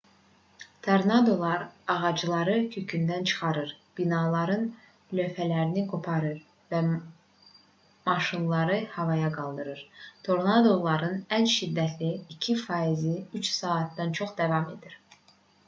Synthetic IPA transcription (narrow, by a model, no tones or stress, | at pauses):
t̪ʰoɾnɑd̪o̞lˠɑɾɑʁɑd͡ʒɯlˠɑɾɯcʰø̞cʰynd̪ænt͡ʃʰɯ̥χɑɾɯɾb̥inɑlˠɑɾɯn | lø̞fælæɾinikʰo̞pʰɑɾɯɾ | væ | mɑʃinlˠɑɾɯhɑvɑjɑɡɑlˠd̪ɯɾɯɾt̪ʰo̞ɾnɑd̪o̞lˠɑɾɯnænʃid̪ːæt̪ʰliːcʰifɑiziyt͡ʃsɑːt̪̚d̪ɑnt͡ʃʰo̞χd̪ɑvɑme̞̰d̪iɾ̥